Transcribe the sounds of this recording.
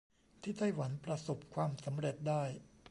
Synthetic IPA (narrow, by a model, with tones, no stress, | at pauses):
t̪ʰiː˥˩t̪a˥˩jwa˩˦npɾa˧so˨˩p̚kʰwaː˧msa˩˦mɾe˨˩t̪̚daː˥˩j